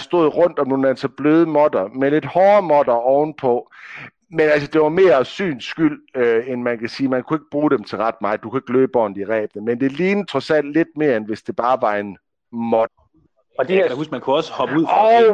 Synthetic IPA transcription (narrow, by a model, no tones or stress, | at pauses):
sd̥o̝ð̰ˠʁɔ̽n̰d̥ɒ̽mnoːnænsɒb̥løːð̞ˠəmɒ̽d̥ɐmele̝d̥hɒːɐmɒ̽d̥ɐɒʊn̩pʰɒ̽ | menælsəd̥e̝ʋɑ̈me̝ːɐsy̰ːn̥sɡ̥yl̰øenmænkʰæsiːmænkʰue̝ɡ̥əb̥ʁuːɾ̥emt͡sʰe̝lʁɑ̈d̥mɑ̈ð̩ˠd̥ukʰue̝ɡ̥lø̰ːb̥ɒ̰ːnð̩ˠiʁɛ̰ːb̥nəmend̥e̝ɐliːn̩t͡sʰʁɔsæn̰d̥le̝d̥̚me̝ːɐenʋe̝sd̥e̝b̥ɑ̈ːʋɑ̈en | mɔd̥ɐ | ɒd̥eæhusɡ̥mænkʰuɒ̽səhɒ̽b̥əuð̰ˠɒ